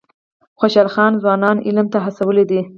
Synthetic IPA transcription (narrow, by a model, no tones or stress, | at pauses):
xoʃalxɑnzwɑnɑnɪ̰lmt̪aɦasawəled̪i